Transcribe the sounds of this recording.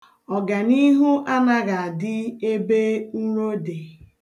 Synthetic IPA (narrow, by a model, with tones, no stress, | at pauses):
ɔ˨ɡa˨ni˦ɦu˦ʔa˦na˦ɣa˨a˨dɪ˦e˦be˦u˦ɾo˦de˨